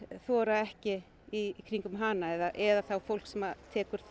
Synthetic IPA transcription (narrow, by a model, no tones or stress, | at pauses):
θvɔːɾaɛhcɪ | ikʰɾiŋkʏmɦaːnaɛðaʔɛðaθawfowl̥ksɛmat̪ʰɛːkʏɾ̥θ